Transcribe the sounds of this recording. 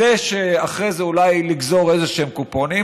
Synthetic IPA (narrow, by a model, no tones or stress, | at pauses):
eʃeaχʁezeulajliɡzo̞ʁezeʃeemkuponi